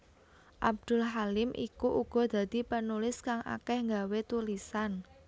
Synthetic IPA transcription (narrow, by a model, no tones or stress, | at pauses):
ʔab̚d̪̥ʊ̤lɦalɪmʔḭkuʔuɡ̥ɔ̤d̪̥ä̤d̪̥i̤pənulɪskaŋʔa̰kɛhŋɡawet̪ulisan